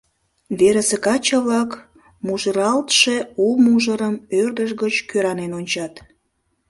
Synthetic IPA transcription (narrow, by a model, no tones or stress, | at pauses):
βeɾəsekɑt͡ɕəβlɑk | muʒəɾɑlt̪ʃeumuʒəɾəmørd̪əʃɣət͡ɕkøɾɑnenonʲt͡ɕɑt̪